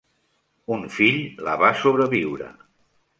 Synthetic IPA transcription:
unfiʎlə̰βasoβɾəβiwɾə̰

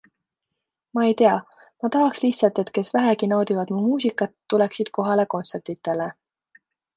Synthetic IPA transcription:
mɑe̞jt̪e̞ɑ | mɑt̪ɑɦɑksliçt̪sɑlt̪ˑe̞t̪ke̞svæɦækinɑwd̪ivɑd̪̥mumuːsʲikːˑɑt̪ːule̞ksid̪̥ko̞ɦɑle̞ko̞nt̪se̞rt̪it̪ːˑe̞le

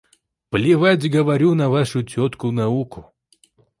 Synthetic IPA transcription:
plʲɪvatʲɡəvɐɾʲunɐvaʂʊtʲot̪kʊnɐukʊ

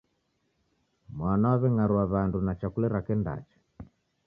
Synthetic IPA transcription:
mwanawaβɛŋaɾuaβandunat͡ʃakulɛɾakɛnda̰t͡ʃḁ

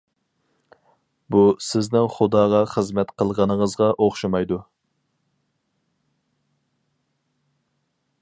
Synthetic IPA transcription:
busɪznɪŋχʊd̪ɑːʁɑχəzmɛt̪qʰəlˠʁɑnəŋəzʁɑʔoχʃɑmɑjd̪u

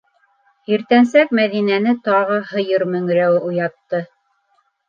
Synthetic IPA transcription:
iɾt̪ænsæk̚mæðinænɘt̪ɑʁɤhɤ̆jɤɾmɵ̆ŋɾæwɘʔujɑt̪ːɤ

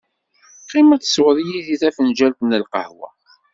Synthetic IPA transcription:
qːimæt͡sːswðˤijiðiθæfənd͡ʒælt̪nəlqə̰hwæ̰

